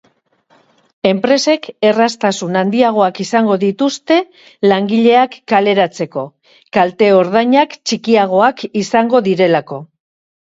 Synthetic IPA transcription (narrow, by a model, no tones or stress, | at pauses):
e̞mpɾe̞se̞ke̞rast̪asunand̪iaɣ̞o̞akisaŋɡo̞ðit̪ust̪e̞ | laŋɡiʎe̞akːale̞ɾat͡se̞ko̞ | kalt̪e̞o̞ɾð̞aɲakt͡ʃikiaɣ̞o̞akisaŋɡo̞ðiɾe̞lako̞